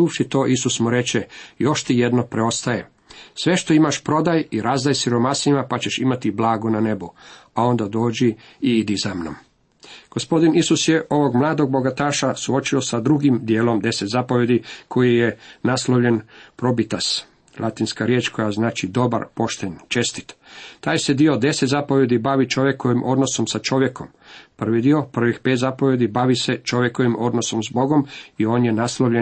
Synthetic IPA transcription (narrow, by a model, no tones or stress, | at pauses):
uːʋʃit̪o̞ːʔisusmuɾe̞t͡ɕejo̞ʃt̪ije̞d̪no̞pɾeo̞st̪aje | sʋe̞ʃt̪o̞imaʃpɾo̞d̪ajiɾazd̪ajsiɾo̞masimapat͡ɕe̞ʃimat̪iblˠaːɡunane̞buao̞nd̪ad̪o̞ːd͡ʑi | iid̪izamno̰m | ɡ̥ospo̞d̪inisusjeʔo̞ʋo̞ɡmlˠaːd̪o̞ɡ̚bo̞ɡat̪aːʃasuo̞t͡ʃio̞sad̪ɾuɡimd̪jeːlo̞md̪e̞set̪zapo̞ʋje̞d̪ikʰo̞jijenaslˠoʋʎe̞npɾo̞bit̪as | lʔat̪inskaɾjeːt͡ʃko̞jaznaːt͡ʃid̪o̞ba̰ɾpo̞ʃt̪eɲt͡ʃe̞st̪i̥t̪t̪aːjse̞d̪io̞d̪e̞set̪zapoʋje̞d̪ibaʋit͡ʃo̞ʋje̞ko̞ʋimʔo̞d̪no̞so̞msat͡ʃo̞ʋje̞ko̞m | pr̩ʋid̪io̞pr̩ʋixpeːt̪zapoʋje̞d̪ibaʋise̞t͡ʃo̞ʋjeko̞ʋimʔo̞d̪noso̞mzbo̞ɡo̞mio̞ːnjenaslˠoʋʎe